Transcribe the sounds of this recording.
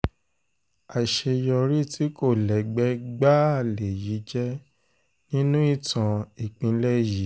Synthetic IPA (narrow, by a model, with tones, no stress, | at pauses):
a˨ʃe˧jɔ˧ɾi˦˨tʰi˨˦ko˦˨lɛ˨ɡ͡bɛ˨˦ɡ͡ba˦a˦˨le˨ji˨˦d͡ʒɛ˦ | nĩ˦nũ˦i˦˨tã˨i˨k͡pĩ˧˦lɛ˦ji˨˦